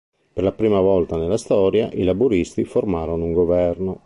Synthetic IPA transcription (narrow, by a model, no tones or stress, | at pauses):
perlapɾiːmavɔlt̪anelːast̪ɔːɾja̰ʔilabuɾist̪iformaːɾonouŋɡovɛrno